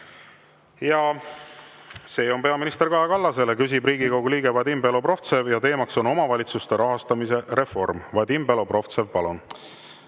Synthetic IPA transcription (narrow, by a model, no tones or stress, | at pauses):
jɑ | se̞ːo̞npe̞ɑminist̪e̞ɾkɑɦekɑlːɑse̞lekys̬ibriːɡ̥ikoɡuliːɡ̥e̞vɑd̪ʲimpe̞lo̞pro̞ft̪se̞vjɑt̪e̞ːmɑkso̞no̞mɑvɑlʲit̪sust̪e̞ɾɑɦɑst̪ɑmise̞ɾe̞fo̞rmvɑd̪̥ʲimpe̞lo̞pro̞ft̪se̞vpɑlun